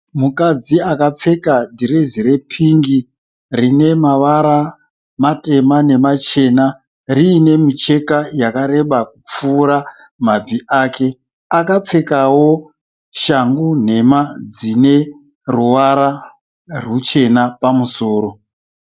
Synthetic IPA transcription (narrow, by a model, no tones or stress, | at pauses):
mukad͡ziakap͡fe̞kadiɾeziɾe̞pʰiŋɡi | rine̞maʋaɾa | mate̞mane̞mat͡ʃe̞na | riːne̞mit͡ʃe̞kajakaɾe̞ɓakup͡fuːɾa | mab͡viʔaːke̞ | akap͡fe̞kawo̞ | ʃaŋɡun̤e̞mad͡zine̞ | ruʋaɾa | rwut͡ʃe̞napamuso̞ːɾo̞